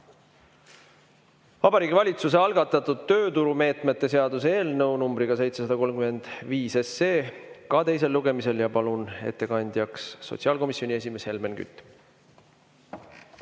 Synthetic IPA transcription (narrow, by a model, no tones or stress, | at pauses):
vɑbɑɾiːɡʲivɑlʲit̪sus̬e̞ɑlɡ̥ɑt̪ːˑɑt̪ːˑud̪̥̚t̪ːø̞ːt̪uɾume̞ːt̪ˑmet̪ːe̞seɑd̪use̞ːlnɤwnumbɾiɡ̥ɑse̞jt̪se̞sɑd̪ɑko̞lmkyme̞nd̪̥viːse̞se̞ːkɑt̪e̞js̬e̞lːuɡ̥e̞mise̞ljɑpɑlune̞̰t̪ːe̞kɑnʲd̪̥ʲjɑksːo̞̰t̪siɑːlko̞misjo̞nʲie̞sʲime̞she̞lme̞nky̰t̪ːˑ